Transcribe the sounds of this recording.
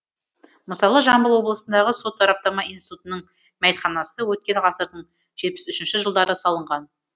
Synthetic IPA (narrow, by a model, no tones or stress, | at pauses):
məsɑlˠəʒɑmbəlˠwo̞blˠəsənd̪ɑʁəso̞t̪ːɑɾɑp̚t̪ɑmɑijnsi̥t̪ut̪ənəɴmæjt̪χɑnɑsəwɵt̪̚kʲe̞nʁɑsəɾd̪əɴ | ʒ̥e̞t̪̚pɪ̥sʏʃɪnʃɪʒəlˠd̪ɑɾəsɑlˠəɴʁɑn